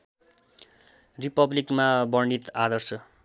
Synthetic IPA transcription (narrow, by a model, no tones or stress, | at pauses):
ripʌblikmabʌɳɖit̪ad̪ʌrsʌ